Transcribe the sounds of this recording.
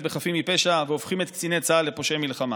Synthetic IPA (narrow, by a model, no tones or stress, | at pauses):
tbeχafimipe̞ʃaveofχimet̪kt͡sinet͡saale̞po̞ʃejmilχama̰